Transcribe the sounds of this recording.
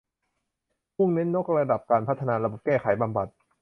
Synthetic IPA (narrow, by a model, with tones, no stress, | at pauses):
mu˥˩ŋne˦˥nːo˦˥k̚ɾa˧da˨˩p̚kaː˧npʰa˦˥t̪ʰːa˧naː˧ɾa˧bo˨˩p̚kɛː˥˩kʰa˩˦jba˧mba˨˩t̪̚